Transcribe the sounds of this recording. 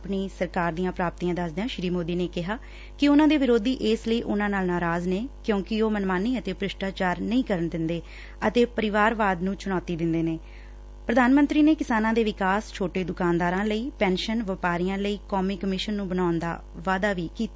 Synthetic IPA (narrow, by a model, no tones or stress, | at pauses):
pɳiːsəɾkaːɾd̪ijãːpɾaːp̚t̪iːãːd̪əsd̪jãːʃɾiːmoːd̪iːneːkɪɦaː | kɪʊnãːd̪eːʋɪɾoːd̪iːʔeːsləiːʔʊnãːnaːlnaːɾaːzneːkjõːkɪoːmənmaːniːət̪eːpɾɪʃʈaːt͡ʃaːɾnəĩːkəɾəɳd̪ɪnd̪eː | ət̪eːpəɾɪʋaːɾʋaːd̪nũːt͡ʃʊɽ̃ɔːt̪iːd̪ɪnd̪eːneː | pɾəd̪ʱaːnmə̃nt̪ɾiːneːkɪsaːnãːd̪eːʋɪkaːst͡ʃʰoːʈeːd̪ʊkaːnd̪aːɾãːləiːpɛːnʃənʋəpaːɾɪjãːləiːkɔːmiːkəmɪʃənːũːbənaːʊnd̪a̰ː | ʋaːd̪aːʋiːkiːt̪ː